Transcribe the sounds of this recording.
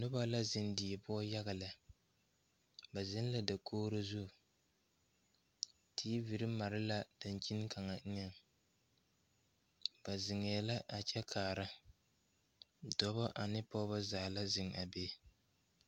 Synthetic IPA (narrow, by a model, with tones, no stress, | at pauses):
nʊ˦ba˦la˦zɪ˨ndi˨pʊ˦ɔ˦ja˦ɣa˨la˨ | ba˨zɪ˦n˦la˨da˨kʰoː˦ɾo˦zu˦˨ | tʰiː˦vi˨ɾɪ˦ma˨ɾɪ˦la˦da˨n˨t͡ʃi˦n˦kʰa˨ŋa˨˦ɲɛ˦ŋ | ba˨zɪ˨ŋɛː˨la˦ʔa˨t͡ʃɛ˦kʰaː˨ɾa˦ | dɔ˦bɔ˦ʔa˨nɪ˦pɔ˦ba˦zaː˨la˦zɪ˨ŋa˨be˦